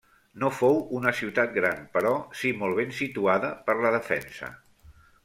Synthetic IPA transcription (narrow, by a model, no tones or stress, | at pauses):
nofowunəsiwt̪at̪̚ɡɾanpəɾɔsimɔlˠβ̞ensit̪uaðəpəɾləðəfɛ̰nsə̰